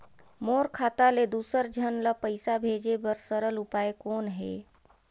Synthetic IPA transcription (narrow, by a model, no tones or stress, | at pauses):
moːɾkʰaːt̪aled̪uːsəɾd͡ʒʱənlapəɪsabʱeːd͡ʒebəɾsəɾəlʊpaekoːnɦeː